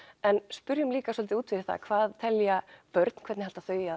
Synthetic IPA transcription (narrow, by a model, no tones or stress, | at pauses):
ɛnspʏɾjʏmliːkasɔlt̪ɪuːt̪fɪ̥θa̰kʰv̥aːðt̪ʰɛljapœɾt̪̚n̥kʰvɛt̪nhalt̪aθœːja